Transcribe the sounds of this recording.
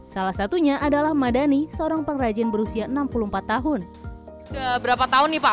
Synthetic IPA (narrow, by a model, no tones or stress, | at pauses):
salahsat̪uɲaʔadalahmadanisəoɾaŋpəŋrad͡ʒɪnbəɾusiaənampuluhmpat̪ːaɦʊn | dabəɾapat̪aɦʊnːipa